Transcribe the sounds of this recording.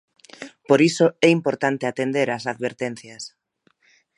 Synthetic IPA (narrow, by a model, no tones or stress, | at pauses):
poɾisoɛimpoɾt̪ant̪eat̪end̪eɾasaðβeɾt̪ɛn̟θjas